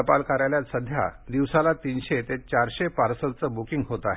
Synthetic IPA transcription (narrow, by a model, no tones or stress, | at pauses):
əpalkaɾajljat͡ssəd̪ʱja̰d̪iʋsalat̪iːnɕet̪et͡ɕaɾɕepaɾsəlt͡səbukiŋɡɦot̪aɦe